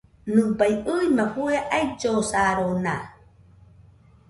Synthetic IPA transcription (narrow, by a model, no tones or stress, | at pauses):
nɨ̃bajɯimaɸueʔajd͡ʒosaɾona